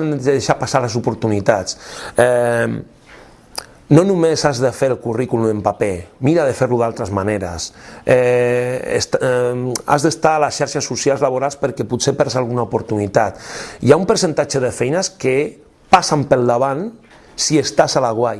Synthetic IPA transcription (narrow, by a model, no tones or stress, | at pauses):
nðeʃapasales̬upuɾt̪unit̪at͡sɛ | nonumezazðefeɾlˠkurikulumempapemiɾaðefeɾluðalˠt̪ɾəzmaneɾə̰sɛ | ḛst̪ | a̰zðest̪aːlasʃaɾʃasːusjalzlaβoɾalˠspəɾkɛpusepɛɾsalɣunaupuɾt̪unit̪at̪ḭaumpəɾsent̪at͡ʃəðefɛjnəske | pasampəlˠd̪aβan | siest̪asalaɣwaj